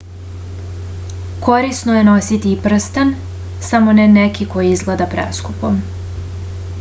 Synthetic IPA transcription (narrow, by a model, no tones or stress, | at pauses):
ko̞ɾisnoje̞no̞sit̪iːpr̩st̪an | samo̞nenekiko̞jiizɡled̪apɾḛskupom